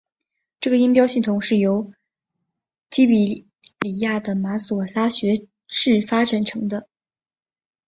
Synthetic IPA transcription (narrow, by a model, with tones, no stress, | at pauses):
ʈ͡ʂɤ˥˩ɡə˩i˥npjɑ˥ʊɕi˥˩ŋt̪ʰʊ˨˧˥ŋʂɻ̩˥˩jo˧˥ʊ | t͡ɕi˥pi˨˩ | li˨˩ja˥˩d̪ə˩ma˧˥swɔ˨˩la˥ɕɥɛ˧˥ | ʂɻ̩˥˩fa˥ʈ͡ʂʰə˧˥nʈ͡ʂʰɤ˧˥ŋd̪ə˧